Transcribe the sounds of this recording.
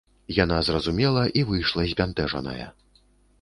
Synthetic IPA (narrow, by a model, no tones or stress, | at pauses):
jan̪azrɐzumʲɛlˠɐʔivɨjʂlˠɐzʲbʲant̪ɛʐɐ̰nɐ̰jɐ̰